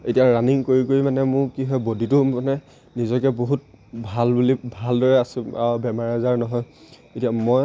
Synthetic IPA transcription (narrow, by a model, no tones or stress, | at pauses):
etijaɹaniŋkoɹikoɹimanɛmʊ̃ɹkiɦɔjbodʱitʊmanɛ | nizɔkɛboɦut̚bʱalbulibʱaldɔɹɛasʊ̃abɛmaɹazaɹnɔɦɔj | etijamoj